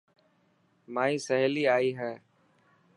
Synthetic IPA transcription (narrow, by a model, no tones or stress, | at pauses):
mãːĩːsəɦliːaːiːɦɛː